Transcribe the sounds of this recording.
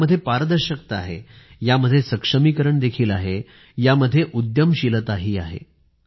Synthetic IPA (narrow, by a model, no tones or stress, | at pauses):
əd̪ʱjepaɾd̪əɾɕək̚t̪əaɦḛjaməd̪ʱjesəkʂəmikəɾəɳd̪ekʰiːlaɦe | jaməd̪ʱːjeʔud̪jəmɕilət̪aɦiːaɦḛ